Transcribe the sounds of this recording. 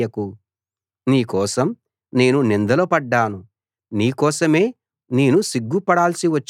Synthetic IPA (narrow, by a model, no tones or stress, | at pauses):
ɐku | niːkɔːsɐm | ne̞ːnunind̪ɐlopɐɖːaːnu | niːkɔːsɐme̞ː | neːnusiɡːupɐɽaːlsiʋɐt͡ʃː